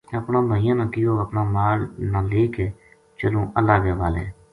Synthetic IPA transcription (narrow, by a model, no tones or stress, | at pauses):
əpnãːbʱaːɪjãːnãːkɪjoːəpnaːmaːɾnãːleːkeː | t͡ʃəlõːʔəlːaːʋjaːbaːlḛː